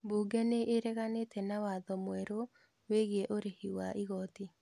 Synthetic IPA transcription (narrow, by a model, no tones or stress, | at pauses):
buːɡɛneʔeɾɛɣanetʰɛnawaðɔmwɛɾo | weɣiɛʔoɾehiwaʔiɣɔti